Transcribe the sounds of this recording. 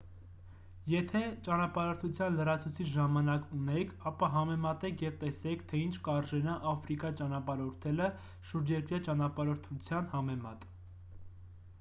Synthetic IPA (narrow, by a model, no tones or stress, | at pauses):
jɛt̪ʰɛt͡ʃɑnɑpɑɾɔɾt̪ʰut͡sʰjɑnləɾɑt͡sʰut͡sʰit͡ʃʰʒɑmɑnɑkunɛkʰɑpɑɦɑmɛmɑt̪ɛkʰjɛvt̪ɛsɛkʰt̪ʰɛint͡ʃʰkɑɾʒɛnɑʔɑfɾikɑt͡ʃɑnɑpɑɾɔɾt̪ʰɛlə | ʃuɾd͡ʒjɛɾkɾjɑt͡ʃɑnɑpɑɾɔɾt̪ʰut͡sʰjɑnhɑmɛmɑt̪